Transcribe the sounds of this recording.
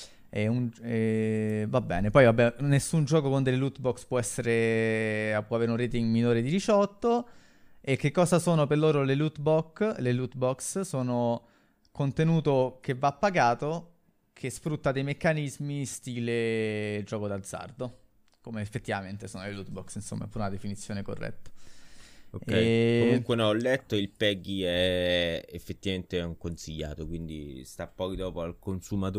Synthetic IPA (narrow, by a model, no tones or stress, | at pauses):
ɛunɛvabːɛ̰ːnepɔjvabɛnesːund͡ʒɔːkokond̪elːelut̪bɔkspwɔɛsːeɾe | apwɔaveːɾeunreːt̪iŋɡminoːɾed̪iɾit͡ʃɔt̪ːo | ek̟ːekːɔːzasoːnoperloːɾolelut̪bɔkːlelut̪bɔkssoːno | kont̪enuːt̪okevːapːaɡaːt̪o | kʰesfɾut̪ːad̪ejmekːanizmist̪iːled͡ʒɔːkod̪ad̪zːa̰rd̪o | komeːfːet̪ːivament̪esoːnolelut̪bɔksinso̰mːaɛpːuːɾeunad̪efinit̪sːjoːneko̰rːʔɛ̰t̪ːḁ | okːɛjomuŋkwenɔlːɛt̪ːoilpɛɡiɛefːet̪ːivament̪eɛuŋkonsiʎːa̰ːt̪okwind̪ḭst̪apːɔːkid̪ɔːpoalkonsumat̪